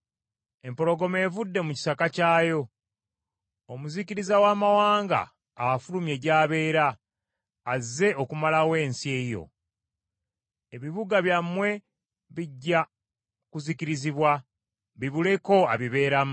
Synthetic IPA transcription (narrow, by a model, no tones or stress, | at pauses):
e̞mpo̞ɾo̞ɡo̞me̞ːvudːe̞muci̥sakacaːjo̞ | omuziciɾizawaːmawaːŋɡa̰ː | fulumje̞ɟaːβe̞ːɾaː | ze̞ʔokumalawe̞ːnsie̞jo̞̰ | e̞βiβuɡaβjamːwe̞ | βiɟːa | kuziciɾiziβwa | βiβule̞ko̞aβiβe̞ːɾam